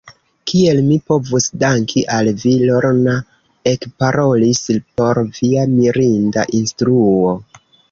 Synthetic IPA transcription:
kie̞lmipo̞vusdaŋkʰiʔalvilo̞ɾna | e̞kpaɾo̞lispo̞ɾviamiɾindaʔinstɾuo̞

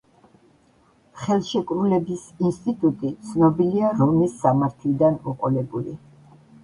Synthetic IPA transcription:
χɛlˠʃɛkʼɾulɛbisinst̪ʼit̪ʼut̪ʼit̪sʰnɔbiliaɾɔnisːamaɾt̪ʰlid̪anɔqʼɔlɛbuli

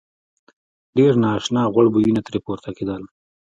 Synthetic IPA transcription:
ɖeɾnɑːʃnɑːɣʊɽbujinat̪ɾepoɾt̪ʰaked̪əl

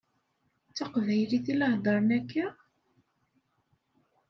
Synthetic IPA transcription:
t͡sːɑqvæjɾiθilɑhd̪ˤɑɾˤnækæ

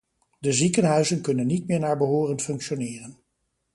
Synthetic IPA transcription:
dəzikənɦœɥzənkɵnənːitmɪːɹnaːɹbəɦoːrənfɵŋkʃonɪːrən

